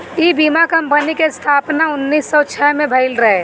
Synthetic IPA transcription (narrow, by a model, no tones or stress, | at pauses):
ibiːmakəmpənikest̪ʰaːpnaʊnːiːsːɔt͡ʃʰɛmẽbʱəɪlɾəɦe